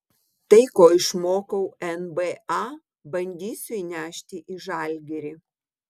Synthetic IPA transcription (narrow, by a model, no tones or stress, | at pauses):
t̪ɐɪkoːɪʃmoːkɐʊɛnbeɑː | bɐnʲd̪ʲiːsʲʊiːnʲæːʃʲt̪ʲɪʔiːʒɑˑlʲɡʲɛɾʲi